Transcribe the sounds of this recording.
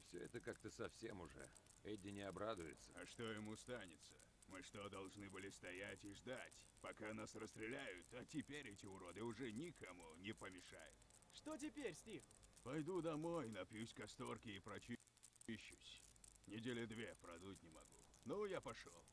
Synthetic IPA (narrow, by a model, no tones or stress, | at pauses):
fsʲoɛt̪əkak̚t̪əsɐfsʲḛmʊʐɛ̰ | ɛdʲɪnʲɪɐbɾad̪ʊjɪt̪səɐʂt̪o̞jɪmust̪anʲɪt̪sə̥ | mɨʂt̪o̞d̪ɐlˠʐnɨbɨlʲɪst̪ɐjatʲɪʐd̪atʲpɐkanasrəst̪ɾʲɪlʲæjʊt̪ːotʲɪpʲeɾʲɛtʲɪʊɾo̞d̪ɨʊʐɛnʲɪkɐmunʲɪpəmʲɪʂa̰jʊ̰t̪ | ʂt̪ot̬ʲɪpʲeɾʲsʲtʲixpɐjd̪ud̪ɐmo̞jnɐpjusʲkɐst̪o̞rkʲɪːpɾɐt͡ɕi | ɕːʊsʲ | nʲɪdʲelʲɪd̪vʲepɾɐd̪utʲnʲɪmɐɡunojapɐʂo